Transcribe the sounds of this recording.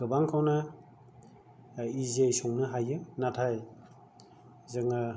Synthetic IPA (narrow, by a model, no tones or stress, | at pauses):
ɡɯbaŋkʰawnɯ | izejsɔŋnɯɦajɯnatʰaj | zɯŋɯ